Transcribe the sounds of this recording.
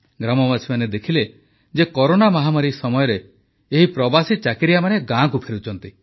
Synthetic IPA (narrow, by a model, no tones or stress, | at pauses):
ɡɾamɔmasimaned̪ekʰile | d͡ʒekɔɾonamɔɦamaɾiksɔmɔjɔɾeː | ɦipɾɔbasit͡ʃakiɾijamaneɡãkupʰeɾut͡ʃʰɔnt̪i